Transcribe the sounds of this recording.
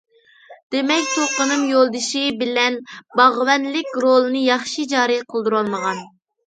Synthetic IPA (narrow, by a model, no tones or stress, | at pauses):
d̪̥emɛkʲt̪ʰoqənɨmjolˠd̪ɨʃɪbɪlɛnbɑʁwɛnlɪkʲɾolˠɨnɨjɑχʃid͡ʒɑːɾɨjqʰəlˠd̪uɾɑlˠməʁɑn